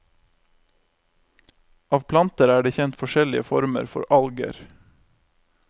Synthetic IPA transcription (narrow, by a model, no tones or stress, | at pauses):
ʔɑːʋpʰlɑnt̪əɾæːɖeːçɛnt̪fɔʃɛlɪəfɔɾmə̰ɾfɔ̰ɾɑlɡə̰ɾ